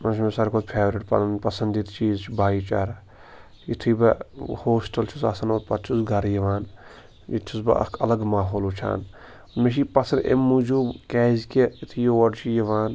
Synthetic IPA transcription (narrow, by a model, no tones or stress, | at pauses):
mɐnʃʰmesɐɾkʰoːd̪pʰeːʋɾɪʈpɐ̰pɐsɐnd̪it̪t͡ʃiːzt͡ʃʰibaːit͡ʃa̰ːɾɐ | it̪ʰibɐhoːsʈɐlt͡ʃʰusɐ̰sɐnoːt̪pɐt̪t͡ʃʰusɡɐɾjɐʋaːn | jḭt̪ʰusbɐ̰ɐ̰kʰɐ̰lɐɡmaːɦoːlut͡ʃʰa̰ːn | meʃ̬ipɐsɐɾḛmːud͡ʒuːbkɛːzkʲeit̪ʰijoʋɐɖt͡ʃʰijɐʋaːn